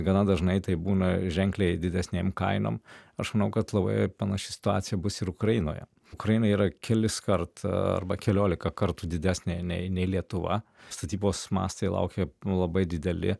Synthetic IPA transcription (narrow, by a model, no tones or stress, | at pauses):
ɡɐnɐd̪ɐʒnɐɪt̪ɐɪbuːnɐʒʲɛŋʲklʲeɪd̪ʲɪd̪ʲɛsʲnʲeːmkɐ̰ɪno̰ːmɐʃmɐnɐʊkɐt̪lˠɐbɐ̰ɪpɐnɐʃʲɪsʲɪ̥t̪ʊaːt̪sʲɪjɛbʊsɪɾʊkɾɐjɪno̰ːjɛ̰ | ʊkɾɐjɪnɐiːɾɐkʲʰɛlʲɪskɐrt̪ɐ̰rbɐkʲɛlʲoːlʲɪkɐkɐɾt̪uːd̪ʲɪd̪ʲæsʲnʲenʲɛɪnʲɛɪlʲiɛt̪ʊʋɐ̰st̪ɐt̪ʲiːboːsmɑ̰ːst̪ɐɪlˠɐ̰ʊkʲelˠɐbɐɪd̪ʲɪd̪ʲɛlʲɪ̰